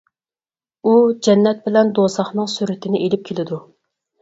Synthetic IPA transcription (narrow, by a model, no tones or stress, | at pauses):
ud͡ʒɛnːɛt̪̚bɪlɛnd̪osɑχnɨŋsyɾɪt̪ʰɪnɪʔelɪp̚kʲʰelɪd̪u